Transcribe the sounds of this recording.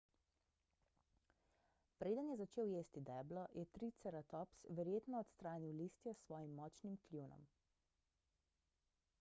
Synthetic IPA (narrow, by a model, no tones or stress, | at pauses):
pɾeːd̪ənjɛzat͡ʃeːwjeːst̪id̪ɛːblɔjʔɛt̪ɾit̪sɛɾat̪ɔpsʋɛɾjeːt̪nɔːt̪st̪ɾaːniwliːst̪jɔsʋɔːjimːɔːt͡ʃnimklʲjuːnɔ̰m